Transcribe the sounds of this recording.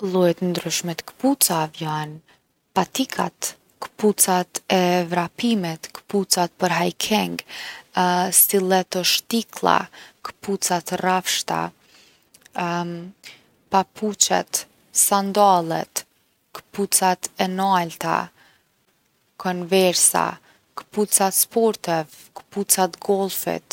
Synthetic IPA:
lˠujɛt̪nd̪ɾyʃmɛt̪kə̥put͡savjan | pat̪ikʰa̰t̪ | kə̥put͡sat̪ɛvɾapimɛt̪kə̥put͡sat̪̚pəɾɦajkʰɛŋɡ | silˠɛt̪ɔʃt̪iklˠa̰kə̥put͡sat̪rafʃt̪a̰ | papʰut͡ɕɛ̰t̪ | sand̪alˠɛ̰t̪ | kə̥put͡sat̪ɛnalt̪a̰ | kʰɔnvɛɾsa̰ | kə̥put͡sat̪spɔɾt̪ɛv | kə̥put͡sat̪ɡɔlˠfḭt̪

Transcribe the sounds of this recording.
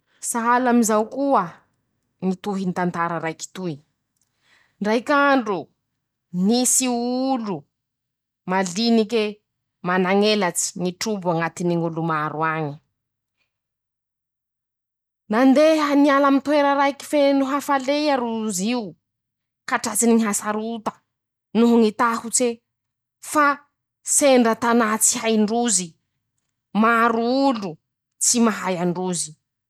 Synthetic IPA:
saɦalamizawkuə | nit̪uɦinit̪ant̪aɾəɾajki̥t̪uj | ɳɖ͡ʐajkaɳɖ͡ʐu | nisiulu | malinike | manaŋelat͡si̥niʈ͡ʂubuaŋat̪iniŋulumaɾuaɲi̥ | nand̪eɦanialamit̪weɾaɾajki̥fenuɦafalejaɾuziu | kaʈ͡ʂat͡siniŋiɦasaɾut̪ḁ | nuɦuŋit̪ahut͡se | fa | seɳɖ͡ʐat̪anat͡si̥ɦajɳɖ͡ʐuzi | maɾuulu | t͡simaɦajaɳɖ͡ʐuzi̥

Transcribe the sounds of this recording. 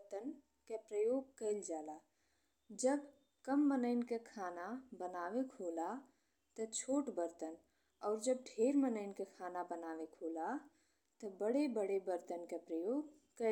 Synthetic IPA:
t̪ən | kepɾəjoːɡ̚kəɪld͡ʒaːla | d͡ʒəb | kəmːənəɪnkekʰaːnabənaːʋekɦola | t̪ət͡ʃʰoːʈbəɾt̪ən | ɔːɾd͡ʒəb̚ɖʱeːɾmənəɪnkekʰaːnabənaːʋekɦoːla | t̪əbəɽebəɽebəɾt̪ənkepɾəjoːɡ | kə

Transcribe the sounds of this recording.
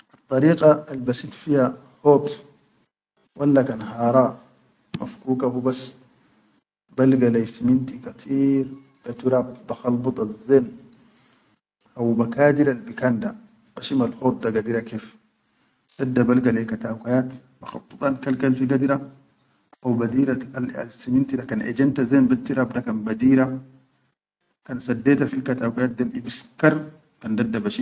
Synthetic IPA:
ʔɨt̪ˤːɑɾiːqʼɑalbasit̪fiha | hot̪ | wʔalːakanhɑːɾˤɑː | mʔa̰fkuːkahubas | balɡalajsimint̪ikat̪ʰiːɾ | b̥at̪uɾabbaxɑlbɨt̪ˤɑzːen | ʔawbakaːd̪iɾalbikand̪a | b̥ɐʃimɐlhɔɾd̪ɐɡɐd̪ɪɾɐkeːf | d̪̥ɐd̪ːɐbɐlɡɐlekɐt̪aːkajaːt̪ | bɐxɑ̰t̪ˤːʊt̪ʼˤɑnkɐlkɐlfiɡɐd̪ɪɾa | awbɐd̪iːɾaalɐ̰lsɪmɪnt̪idakɐnʔḛd͡ʒɐnt̪azenbɐt̪ːiɾabd̪ɐkɐnbɐd̪iːɾa | kɐnsɐd̪ːeːt̪ɐfilkɐt̪aːkʷajaːt̪̚d̪ɐlʔɪbɪskɐɾ | kɐnd̪ɐd̪ːɐbɐʃi

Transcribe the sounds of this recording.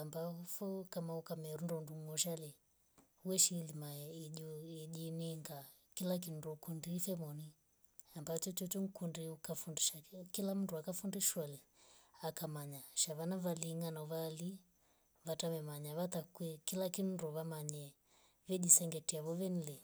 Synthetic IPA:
ambafɔkamaukamɛɾundɔnduɔʃalɛ | wɛʃilimaɛiʄuiʄiniŋɡa | kilak̬in̩dɔkundifɛmɔni | ambat͡ʃɔt͡ʃɔt͡ʃɔŋ̩kundiukafundiʃakilam̩nduakafundiʃwalɛ | akamaɲaʃaβanavaliŋɡanavali | vatamɛmaɲaβat̪akwɛkilakinndɔβamaɲɛ | vɛʄisɛŋɡɛtiaβɔvɛnilɛ

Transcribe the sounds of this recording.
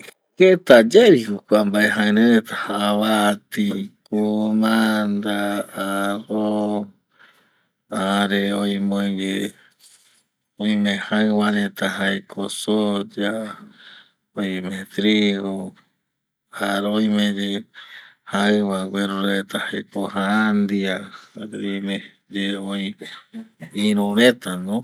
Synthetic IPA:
ket̪ad͡ʒeɾihokʷambaʔeɦaɨɾeɾet̪ahaaβat̪ikumand̪aaɾo | aɾeojmõiɡe | oĩmẽhaɨwaɾet̪aɦaekʰosod͡ʒa | oĩmẽt̪ɾiɣo | aɾoĩmẽd͡ʒe | haɨwaɡweɾuɾet̪ahakoɦaand̪iaaɾmẽ | d͡ʒeoj̃ | ĩɾuɾet̪anõ

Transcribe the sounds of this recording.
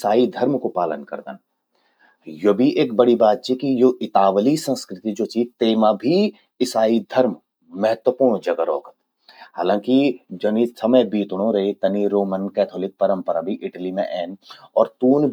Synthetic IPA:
saːid̪ʱɐɾmkopaːlə̰nkɐ̰ɾd̪ə̰n | jobʱiʔeːk̚bɐɽibaːt̪̚t͡ʃikijoʔɪt̪aːʋəlisə̃nskɾɪt̪id͡ʒoːt͡ʃiːt̪eːmabʱi | ɪsaːid̪ʱɐɾm | mɛɦət̪wəpuːɾɳ̃d͡ʒɐɡəɾɔ̰ːkət̪ | haːlãːkid͡ʒɐnisɐməjbiːt̪ɽ̃õɾɐit̪ɐniɾoːmənkɛːt̪ʰoːlɪk̚pɐɾə̃mpəɾabʱiʔɪʈlimḛ̃ʔɛːnɔːɾt̪uːn

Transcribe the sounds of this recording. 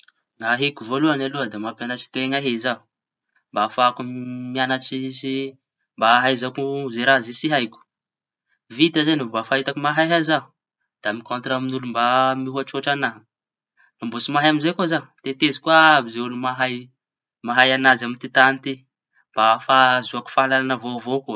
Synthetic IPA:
ŋaɦekuvoluanaluəd̪emapjanat͡ʃi̥t̪eŋaɦezaɦu | mbafakumianat͡ʃisi | mbaːɦajzakuzeɾazisiɦajkʲu̥ | vit̪azenumbafaɦit̪akumaɦajɦazau | d̪̥aamikont̪raminulumbamiɦaʈ͡ʂoʈ͡ʂanaɦ | lumbosimaɦaamizekozat̪et̪ezi̥kuaabizeulumaɦaj | maɦajanazamint̪it̪anit̪i | mb̥afazuaku̥faalalanəvovoku

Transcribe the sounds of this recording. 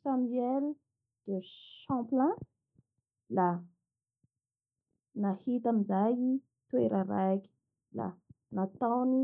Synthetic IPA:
samɛl | d̪̥eʃɑ̃plɛ̃ | la | nahit̪amizaji | t̪weɾaɾakʲi̥ | la̰ | nat̪awni

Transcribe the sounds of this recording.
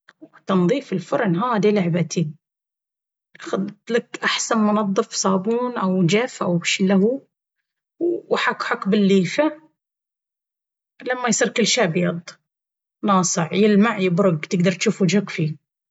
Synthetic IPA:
wt̪ɑnðˤiːfɪlfʊɾˤnɦaːd̪ilaʕbat̪i | xʊðt̪lakʔaħsanmʊnɑðˤːɨfsˤɑːbuːnʔawd͡ʒafʔawʃlahu | wħakħakbɪlːiːfa | lamːajsˤiːɾkɪlːʃaːbjɑd̪ˤ | nɑːsˤɨʕjɪlmaʕjɪbɾʊɡt̪ɪɡd̪ɑɾˤt̪ʃuːfud͡ʒakfi

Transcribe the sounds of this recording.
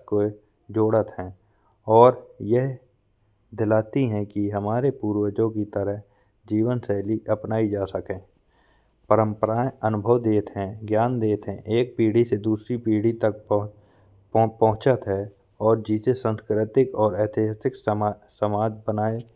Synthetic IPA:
ko | d͡ʒoːɽət̪ɦɛ̃ː | ɔːɾjɛɦ | d̪ɪlaːt̪iɦɛ̃kiɦəmaːɾepuːɾwəd͡ʒõkit̪əɾəɦ | d͡ʒiːʋənsɛːliʔəpnaːid͡ʒaːsəkẽː | pəɾə̃mpəɾaːeənʊbʱəwd̪eːt̪ɦɛ̃ɡjaːnd̪eːt̪ɦɛ̃ʔeːk̚piːɽised̪uːsɾipiːɽit̪ək̚ | pəɦʊ̃t͡ʃət̪ɦɛ | ɔːɾd͡ʒɪsesə̃nskɾɪt̪ɪkɔːɾɛːt̪ʰɪɦəsɪkssəmaːd͡ʒbənaːe

